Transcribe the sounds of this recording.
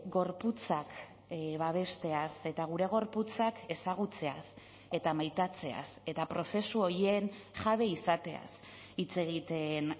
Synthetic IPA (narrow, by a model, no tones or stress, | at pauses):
ɡo̞ɾput͡sak | βaβ̞e̞st̪e̞ase̞t̪aɣ̞uɾe̞ɣ̞o̞ɾput͡sake̞saɣ̞ut͡se̞as | e̞t̪amajt̪at͡se̞a̰se̞t̪apɾo̞se̞suo̞ɾje̞nʝaβ̞e̞isat̪e̞a̰s | it͡se̞ɣ̞it̪e̞n